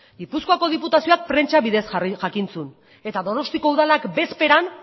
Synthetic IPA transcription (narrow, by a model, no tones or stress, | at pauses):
ɡipuskoako̞ð̞iput̪asio̞ak̚pɾe̞nt͡ʃaβiðe̞sʝakint͡sun | e̞t̪aðo̞no̞st̪iko̞uðalakbe̞spe̞ɾan